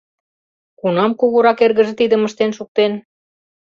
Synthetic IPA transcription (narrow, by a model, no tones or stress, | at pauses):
kunɑmkuɣuɾɑkerɣə̆ʒĕt̪id̪ə̆məʃt̪enʃuk̚t̪en